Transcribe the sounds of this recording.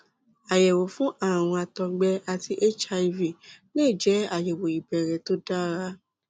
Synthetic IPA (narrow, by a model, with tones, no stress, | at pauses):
a˨jɛ˨wo˨fũ˦ʔa˦˨w̃ɔ̃˧a˧tɔ̃˧˦ɡ͡bɛ˧a˧ti˧ʔe˦t͡ʃa˧i˧vi˨ne˦˨d͡ʒɛ˨˦a˦˨jɛ˨wo˨i˨bɛ˨ɾɛ˨to˦da˦ɾa˧˦